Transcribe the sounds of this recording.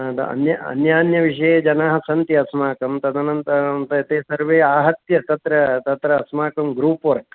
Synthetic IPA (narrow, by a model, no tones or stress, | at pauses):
d̪̰ɐ̰njɐɐ̰njaːnjɐʋiʂ̬ɐjed͡ʒɐnaːɦɐ̆sɐnt̪jɐɐsmaːkɐmt̪ɐd̪ʱanɐnt̪ɐnt̪ɐet̪eːsɐɾʋeːaːɦɐt̪jɐt̪ɐt̪ɾɐt̪ɐt̪ɾɐːsmaːkɐmɡɾuːpʋɐɾk